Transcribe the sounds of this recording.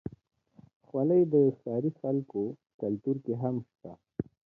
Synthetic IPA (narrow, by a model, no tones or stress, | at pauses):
xwaləjd̪əsɑːɾixalko | kalt̪uɾkeɦamʃt̪a